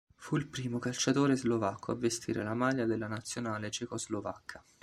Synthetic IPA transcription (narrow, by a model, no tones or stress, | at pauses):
fuilpɾiːmokalt͡ʃat̪oːɾezlovakʰːoa̰vːest̪ʰḭːɾʔḛlamaʎːad̪elːanat̪sːjonaːlet͡ʃekozlovakʰːḁ